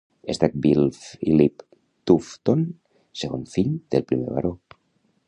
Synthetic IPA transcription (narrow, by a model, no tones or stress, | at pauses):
est̪ak̚bilfilip | t̪uft̪on | seɣoɱfiʎd̪̥elpɾimḛβa̰ɾo